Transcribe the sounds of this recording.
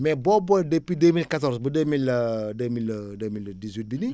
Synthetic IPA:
mɛbɔbɔdəpidəmilkat̪ɔrsbədəmilədəmilədəmildiswit̪̚bini

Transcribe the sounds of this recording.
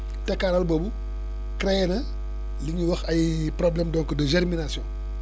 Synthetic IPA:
tɛkːaːɾɐlbobu | kɾɛjɛnɐ | liɲuwɐxɐjprɔblɛmdɔŋkɔdəʒɛɾminasjɔ̃n

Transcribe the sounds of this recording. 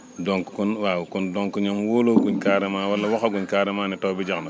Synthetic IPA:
doŋkkunwakundoŋkuɲomwoloɡuɲkaːɾɛmaːwalːɐwaxaɡuɲkaːɾɛmaːnitobid͡ʒakno

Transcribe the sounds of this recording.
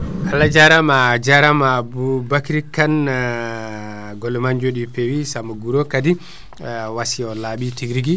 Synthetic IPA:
kʰalad͡ʒaɾamad͡ʒaɾamabubakiɾikːan | ɡɔlɛmaɲd͡ʒoɗipewisamaɡuɾokadi | wasiɔlaɓitiɡɾiɡi

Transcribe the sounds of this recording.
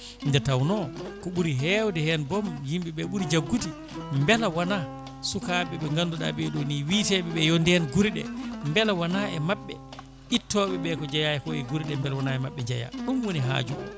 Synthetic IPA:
ndɛtawnɔkɔɓuɾiɦɛwdɛhɛnbɔmjimɓiɓɛɓuɾid͡ʒaɡːuti | mbɛlawana | sukaɓɛɓɛŋɡanːduɗa̰ɓeɗuniwitɛɓɛɓɛjɔndɛnɡuɾɗɛ̰mbɛlawanaɛmaɓːɛ | itːɔɓɛɓɛkɔd͡ʒajaɛkɔɛɡuɾiɗɛmbɛlwanaɛmaɓːɛd͡ʒaja̰ɗumwoniɦa̰ːd͡ʒu

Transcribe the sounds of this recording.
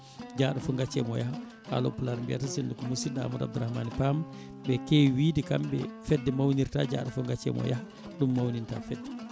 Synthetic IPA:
d͡ʒaɗafɔŋɡat͡ʃːɛ̰mɔjaha | ha̰lɔ̰pulaɾmbija̰tasindukɔmusida̰ːmuda̰b̚duɾahmaːnipam | bɛkewiːdikambɛfɛdːɛmawniɾta̰ːd͡ʒa̰ːɗafɔŋɡat͡ʃːɛ̰mɔ̰jaha | ɗumːawninta̰fɛdːɛ

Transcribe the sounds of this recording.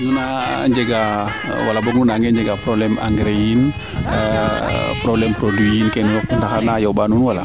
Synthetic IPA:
ɡunaɲd͡ʒəɡa̰ | walabɔŋunaŋɡɛɲd͡ʒaɡapɾɔblɛma̰ŋɡɾein | pɾɔblɛmpɾɔduinkanulɔk̚unt̪akanajɔbanunwala̰

